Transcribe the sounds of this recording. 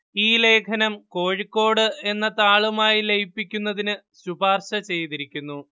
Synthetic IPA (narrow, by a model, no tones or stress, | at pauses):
iːle̞ːkʰɐnɐmko̞ːɻikːo̞ːɽɨe̞nːɐt̪aːɭumaːjilejipːikʲːunːɐðinɨ | ɕubaːrɕɐt͡ɕe̞jt̪iɾikʲːunːu